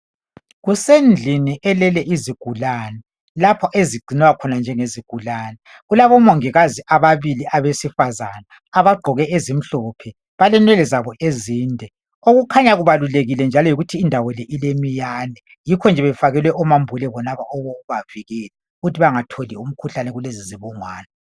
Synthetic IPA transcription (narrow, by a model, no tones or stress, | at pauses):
ɣusend͡ɮʱiniʔɛlɛlɛʔiziɡ̥ʱulaːnɛ | lapʰɔʔeziɡ͡ǀʱinɛwakʰɔnand͡ʒʱɛŋeziɡ̥ʱulaːnɛ | ɣulaβɔmoŋiɣaziʔaβaβiliʔaβesifazanaː | βaɡ͡ǃʱɔɣɛezim̩ɬɔpʰɛ | βalɛnwɛlɛzaβɔʔeziːndʱɛ | oɣukʰaɲaɣuβaluleɣilɛnd͡ʒʱalɔjiɣutʰiːndʱawɔlɛʔilemijaːnɛ | jikʰɔnd͡ʒʱɛβɛfaɣɛlwɛʔɔmambʱulɛβɔnaβaɔβɔuβaviɣɛlɛuɣutʰiβaŋatʰolium̩kʰuɬanɛɣuleziziβɔŋwaːnɛ